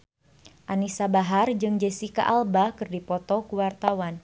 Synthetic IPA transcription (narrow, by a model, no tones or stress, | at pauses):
ʔanisabaɦard͡ʒɨŋd͡ʒɛsika̰ʔalbakɨrdipɔt̪ɔkuwart̪awan